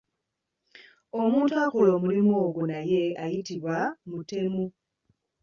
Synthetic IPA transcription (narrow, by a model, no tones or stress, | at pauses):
omuːntuakolo̞ːmulimoːɡonaje̞ajitiβwamute̞mu